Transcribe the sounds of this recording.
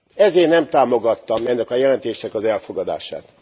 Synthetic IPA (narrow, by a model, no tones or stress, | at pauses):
ɛzeːrnɛmt̪aːmo̞ɡɒt̪ːɒmɛnːɛkɒjɛlɛnt̪eːʃnɛkɒzɛlfo̞ɡɒd̪a̰ːʃa̰ːt̪